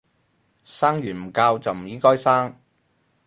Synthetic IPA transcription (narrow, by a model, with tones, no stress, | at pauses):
saː˥ŋjyː˨˩nm̩˨˩kaː˧wt͡sɐ˨wm̩˨˩jiː˨˥kɔː˥jsaː˥ŋ